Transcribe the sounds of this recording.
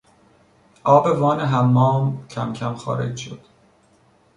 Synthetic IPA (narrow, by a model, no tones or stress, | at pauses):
ʔɒːbe̞vɒːneɦæmːɒːmcʰæmcʲʰæmxɒ̰ːɾe̞̰d͡ʒʃo̰d̪̥